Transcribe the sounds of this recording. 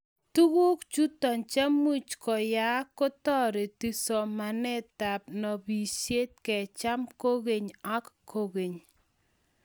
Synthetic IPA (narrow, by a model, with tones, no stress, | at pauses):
tu˦ku˦kt͡ʃu˦tɔ˨nt͡ʃa˦mu˦t͡ʃkɔ˨ja˨˦ko˦tɔ˦ɾe˨ti˨sɔ˨ma˨nɛ˦ta˨p̚nɔ˨bi˨sje˦t̚kɛ˨t͡ʃa˦mko˦ke˨ɲa˦kkʰo˦˨ke˨ɲ